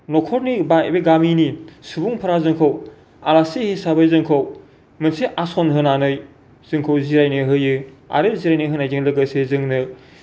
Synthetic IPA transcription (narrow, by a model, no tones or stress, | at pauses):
nɔkʰɔɾnibabeɡaminisubuŋpʰɯɾazɯŋkʰow | alasehisabajzɯŋkʰɯw | mɯnseʔasɔnɦɯnanɯj | z̥ɯŋkʰɯwziɾajnɯɦɯjɯa̰ɾeziɾajnɯɦɯnajd͡ʒɯŋlɯɡɯsezɯŋnɯ